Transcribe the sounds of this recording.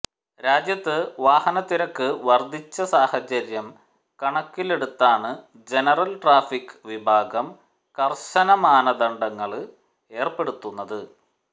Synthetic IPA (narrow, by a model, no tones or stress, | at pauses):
ɾaːd͡ʑjɐt̪ːɨʋaːhɐnɐt̪ːiɾɐkːɨʋɐrd̪ʱit͡ɕːɐsaːhɐt͡ɕɐɾjɐm | kɐɳɐkːile̞ɽut̪ːaːɳɨ | d͡ʑe̞nɐrɐlʈraːfikːɨʋibʱaːɡɐm | kɐrɕɐnɐmaːnɐðɐɳɖɐŋːɐɭ | e̞ːrpe̞ɽut̪ːunːɐðɨ